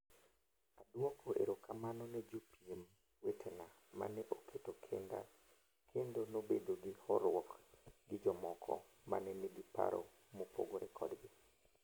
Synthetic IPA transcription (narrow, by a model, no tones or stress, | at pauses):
adwɔkʰoʔḛɾokamanɔnɛd͡ʒopiem | wetʰena | ma̰nɛʔokʰetokʰenda̰ | kʰendonobedoɡɪhɔɾwɔkɡɪd͡ʒɔmɔkʰɔ̰ | ma̰nɛneɡipa̰ɾo̰ | mopo̰ɡoɾɛkʰɔ̰dɡɪ